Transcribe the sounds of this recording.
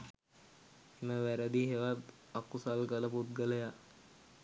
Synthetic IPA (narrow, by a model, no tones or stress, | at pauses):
eməʋæɾəd̪iɦeʋat̪ | akːusalkələput̪̚ɡələja